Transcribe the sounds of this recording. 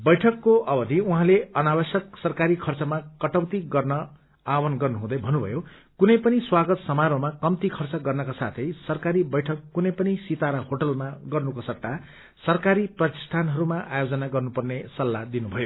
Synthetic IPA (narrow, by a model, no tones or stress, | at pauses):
bʌjʈʰʌkːoʌbʌd̪ʱiuɦãleʌnabʌsjʌksʌrkaɾikʰʌrt͡sʌmakʌʈʌwt̪iɡʌrnʌ | awʌnɡʌrnuɦũd̪ʌjbʱʌnːubʱʌ̰jo | kunʌjpʌniswaɡʌt̪sʌmaɾomakʌmt̪ikʰʌrt͡sʌɡʌrnʌkasat̪ʰʌjsʌrkaɾibʌjʈʰʌkːunʌjpʌnisit̪aɾʌhoʈʌlmaɡʌrnukosʌʈ̪ːa | sʌrkaɾiprʌt̪i̥sʈʰanɦʌɾumaʔajod͡zʌnaɡʌrnupʌrnesʌlːad̪inubʱʌjo